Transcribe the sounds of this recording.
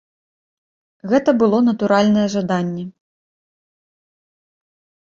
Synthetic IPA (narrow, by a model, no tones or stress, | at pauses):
ɣɛt̪ɐbɨlˠɔnɐt̪uɾalʲnɐjɛʐad̪anʲːɛ